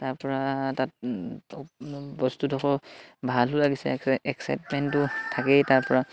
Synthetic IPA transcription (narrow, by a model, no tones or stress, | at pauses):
taɹpɔɹatat | bɔstutɔxʰɔbʱalɦʊlaɡisɛɛksa̰jtmɛntʊtʰakɛtaɹpɔɹa